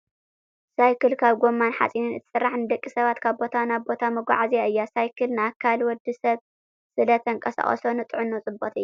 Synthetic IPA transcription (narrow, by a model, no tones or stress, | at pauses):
sajkʰɨlkʰaβɡo̞mːanħa̰t͡sʼinɨnɨt̪ʰɨ̥sɨrːaħnɨd̪ɐkʼːisɐβat̪kʰaβbo̞t̪ʰanaβbo̞t̪ʰamɐɡʷa̰ʕazijaɨjːasajkʰɨlnɨakʰːalwɔd̪ːɨsɐβ | sɨlɐt̪ʰɐŋkʼɐsa̰χʼɐ̰so̞nɨt̪ʼɨʕunːot͡sʼɨbot̪ɨjːu